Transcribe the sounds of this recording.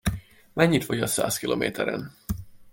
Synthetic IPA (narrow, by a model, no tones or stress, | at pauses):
mɛɲːit̪fɒɟɒsa̰ːskiloːmʔeːt̪ʰɛɾɛ̰n